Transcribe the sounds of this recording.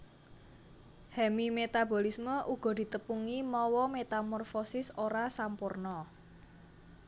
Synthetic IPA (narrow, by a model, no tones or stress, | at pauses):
hɛmimet̪abɔ̤lisməʔuɡ̥ɔ̤d̪̥i̤t̪əpuŋimɔwɔmet̪amɔrfosɪsoɾasampurnɔ